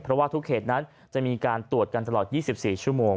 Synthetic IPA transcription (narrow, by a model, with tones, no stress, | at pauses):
pʰɾɔ˦˥waː˥˩t̪ʰu˦˥k̚ʰheː˨˩t̪̚na˦˥n | t͡ɕa˨˩ʔmiː˧kaː˧nt̪u˨˩ət̪̚ka˧nt̪a˧lɔː˨˩t̪̚jiː˥˩si˨˩p̚siː˨˩t͡ɕʰu˥˩əmoː˧ŋ